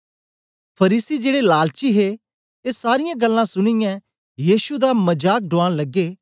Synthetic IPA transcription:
pʰɐɾiːsid͡ʒeːɽelaːlt͡ʃiɦe | eːsaːɾɪjãɡɐlːãsʊɽ̃ɪjã | jiːsud̪amɐd͡ʒaːk̚ɖʊãːɽ̃lɐɡeː

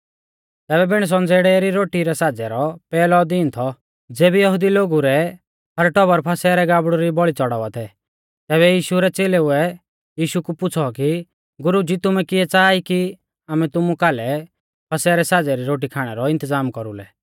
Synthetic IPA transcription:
t̪ɛːβɛbɪɽ̃s̬ɔnd͡zeɽɛɾiɾoːʈiɾɛsaːd͡zɛɾɔpɛːlɔd̪iːnt̪ʰɔ | d͡zeːbijɐɦʊd̪iloːɡuɾɛ | ɐɾʈɔbɔɾpʰɐsɛɾɛɡaːbɽɔɾibɔɭit͡sɔɽaʋat̪ʰɛ | t̪ɛːβɛjiːʃuɾɛt͡seːlɛʊɛ | jiːʃukupʊt͡sʰɔki | ɡʊɾud͡ʒit̪ʊmɛkɪɛt͡saːiki | aːmɛt̪ʊmukaːlɛ | pʰɐsɛɾɛsaːd͡zɛɾiɾoːʈ̬ikʰaːɽ̃ɛɾɔɪ̃nt̪əzaːmkɔɾulɛ̰

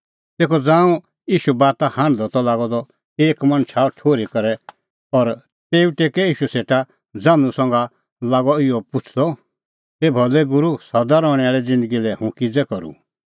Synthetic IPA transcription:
t̪eːkʰɔd͡zãːũ | jiːʃubaːt̪ahãːnd̪ɔt̪ɔlaːɡɔd̪ɔ | eːkmɐ̃nt͡ʃʰaːʈʰoːɾikɐɾɛ | ɔɾ | t̪eːuʈeːkɛiːʃuseːʈa | d͡zãːnũsɔ̃ŋɡa | laːɡɔɪjɔpʊt͡ʃʰd̪ɔ | ebʱɔlɛɡʊɾusɐd̪aɾɔːɽ̃ɛaːɭɛd͡zɪ̃nd̪əɡilɛhũkid͡zɛkɔɾṵ

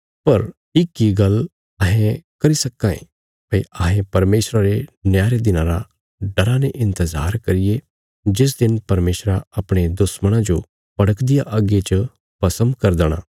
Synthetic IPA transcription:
pɐɾ | ɪkːiɡɐl | ɐɦẽkɐɾisɐkːãːḛ̃ | pɐiʔaːɦẽpɐɾmeːsɾaɾenjaːɾed̪ɪnãɾa | ɖɐɾaneʔɪ̃nt̪əzaːɾkɐɾɪje | d͡ʒɪs̬d̪ɪnpɐɾmeːsɾaɐpɽ̃ed̪ʊsməɽ̃ãd͡ʒo | pɐɽəkd̪ɪjaʔɐɡet͡ʃə | pɐsə̃nd̪kɐɾd̪əɽ̃ã̰ː

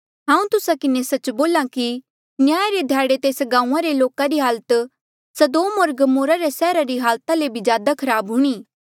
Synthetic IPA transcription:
ɦãːũt̪ʊsakɪnesɐt͡ʃboːlaki | njaːɾed̪ʱjaːɽet̪eːsɡãːũãɾeloːkaɾiɦaːlət̪ | sɐd̪oːmoːɾɡɐmoːɾaɾesɛːɾaɾiɦaːlt̪alebʱizjaːd̪akʰɐɾaːbɦuɽ̃iː

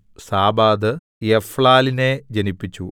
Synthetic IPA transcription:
saːbaːd̪ɨ | efɭaːline̞d͡ʑenipːit͡ɕːu

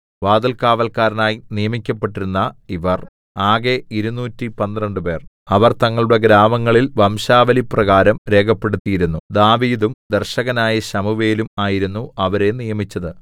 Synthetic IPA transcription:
ʋaːd̪ɐlkaːʋɐlkaːɾɐnaːjinijɐmikʲːɐpːe̞ʈːiɾunːɐiʋɐr | aːɡeiɾunuːtːipɐnd̪rɐɳɖɨpe̞ːr | ɐʋɐrt̪ɐŋːɐɭuɽe̞ɡɾaːmɐŋːɐɭilʋɐmɕaːʋɐliprɐɣaːɾɐmɾe̞ːkʰɐpːe̞ɽut̪ːijiɾunːud̪aːʋiːðumd̪erɕɐɣɐnaːjiɕɐmuʋeːlumaːjiɾunːuɐʋɐɾe̞nijɐmit͡ɕːɐðɨ

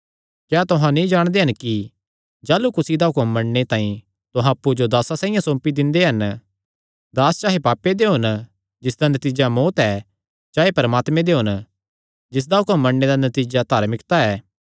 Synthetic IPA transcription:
kɛːt̪ʊɦãnĩd͡ʒaːɽ̃d̪eɦɐnki | d͡ʒaːlukʊsid̪aɦʊkəmːɐɳnet̪ãːĩ | t̪ʊɦãɐpːud͡ʒod̪aːsasãːĩjãsõːmpid̪ɪ̃nd̪eɦɐn | d̪aːst͡ʃaːɦepaːpːed̪eɦʊn | d͡ʒɪsd̪anɐt̪iːd͡ʒamoːt̪ɛ | d͡ʒaːɦepɐɾmaːt̪mẽd̪eɦʊn | d͡ʒɪs̬d̪aɦʊkəmːɐɳːed̪anɐt̪iːd͡ʒad̪ʱaːɾmɪkt̪aɛː

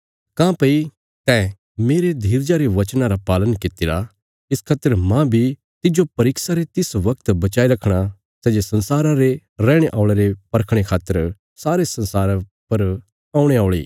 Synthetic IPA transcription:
kãːpɐi | t̪ɛ | meːɾed̪ʱiːɾd͡ʒaɾeʋɐt͡ʃnaɾapaːlənkɪt̪ːɪɾa | ɪskʰaːt̪ːəɾmãbʱi | t̪ɪd͡ʒopɐɾɪksaɾet̪ɪsʋɐkt̪bɐt͡ʃaːiɾɐkʰɽ̃a | sɛːd͡ʒesɐ̃nsaːɾaɾe | ɾɛ̃ːɽ̃eʔaːʊɭeɾepɐɾkʰɽ̃ekʰaːt̪ːəɾ | saːɾesɐ̃nsaːɾapɐɾ | aːũɽ̃eaːɭḭː

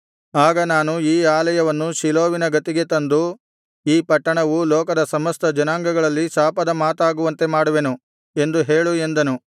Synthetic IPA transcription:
aːɡɐnaːnuiːaːlɐjɐʋɐnːuʃiloːʋinɐɡɐt̪iɡe̞t̪ɐnd̪u | iːpɐʈːɐɳɐʋulɔːkɐd̪ɐsɐmɐst̪ɐd͡ʒɐnaːŋɡɐɡɐɭɐlːisaːpɐd̪ɐmaːt̪aːɡuʋɐnt̪e̞maːɽuʋe̞nu | e̞nd̪uɦe̞ːɭue̞nd̪ɐnu

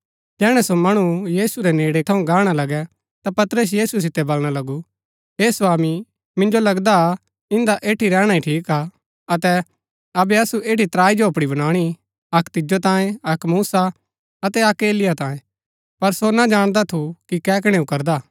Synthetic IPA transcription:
d͡ʒɛːɽ̃ɛsomɐɽ̃ujiːsuɾɛneːɽet̪ʰɐũɡaːɽ̃alɐɡɛ | t̪apɐt̪ɾəs̬jiːsus̬ɪt̪ːɛbɐlɽ̃alɐɡu | ɦeːsʋaːmi | mɪ̃nd͡ʒolɐɡd̪a | ɪ̃nd̪aʔeːʈʰiɾɛːɽ̃aiʈʰiːka | ɐt̪ɛ | ɐbɛɐsuʔeːʈit̪ɾaːid͡ʒoɐpɽ̃ibɐñaːɽ̃i | ɐkt̪ɪd͡ʒot̪ãːjẽɐkmuːsa | ɐt̪ɛɐkeːlɪjat̪ãːẽ | pɐɾsonad͡ʒaːɽ̃d̪at̪ʰukikɛːk̬ɽ̃ɛ̃ukɐɾd̪aː

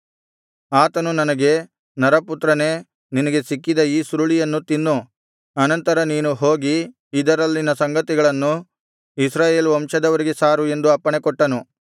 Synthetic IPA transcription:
aːt̪ɐnunɐnɐɡe̞ | nɐɾɐput̪ːɾɐne̞ː | ninɐɡe̞sikːid̪ɐiːsuɾuɭijɐnːut̪inːu | ɐnɐnt̪ɐɾɐniːnuɦo̞ːɡi | id̪ɐɾɐlːinɐsɐŋɡɐt̪iɡɐɭɐnːu | isɾaːje̞ːluʋɐmʃɐd̪ɐʋɐɾiɡesaːɾue̞nd̪uɐpːɐɳekɔʈːɐnu

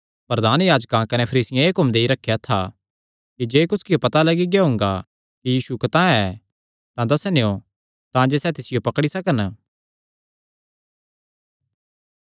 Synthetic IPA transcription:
pɾɐd̪aːnjaːd͡ʒkãkɐnepʰɐɾiːsɪjãeːkʊmd̪eːiɾɐkʰːejat̪ʰa | kid͡ʒeːkʊskɪjopɐt̪alɐɡiɡjaɦʊ̃ŋɡa | kijiːsukɐt̪ãɛ | t̪ãd̪ɐsneo | t̪ãːd͡ʒesɛt̪ɪsɪjopɐkɽisɐkən

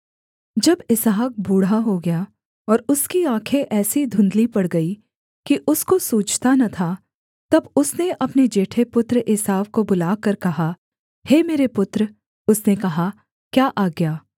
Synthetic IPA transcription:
d͡ʒɐbɪsaːk̚buːɽaɦoɡɐja | ɔːɾʊskiãːkʰeʔɛːsid̪ʱʊ̃nd̪lipɐɽɡɐi | kiʔʊskosuːt͡ʃʰt̪anɐt̪ʰa | t̪ɐbʊsneʔɐpned͡ʒeːʈʰepʊt̪ɾʔɪsaːʋkobʊlaːkɐɾkɐɦa | heːmeːɾepʊt̪ɾ | ʊsnekɐɦa | kjaːʔaːɡjaː

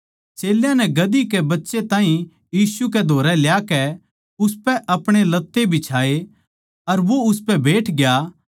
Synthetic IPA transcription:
t͡ʃeːljãnɛɡɐd̪ikebɐtːʃet̪ãːɦĩ | jiːsuked̪ʱoːɾɛljaːkɛ | ʊspɛʔɐpɽ̃elɐt̪ːebʱit͡ʃʰaːe | ɐɾʋoʊspɛbeːʈʰɡja

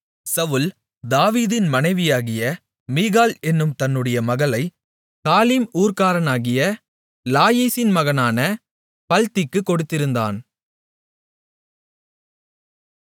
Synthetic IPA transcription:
sɐʋɯl | d̪aːʋiːðɪnmɐnɐɪʋɪjaːɣɪjɐ | miːɣaːlɛnːɯmt̪ɐnːɯɽɐjɐmɐɣɐlɐɪ | kaːliːmuːɾkaːɾɐnaːɣɪjɐ | laːjiːsɪnmɐɣɐnaːnɐ | pɐlt̪ɪkːɯkːɔɽɯt̪ːɪɾɯnd̪a̰ːn

